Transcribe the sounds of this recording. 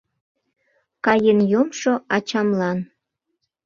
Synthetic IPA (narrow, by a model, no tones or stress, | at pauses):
kɑjenjomʃoɑt͡ɕɑmlɑn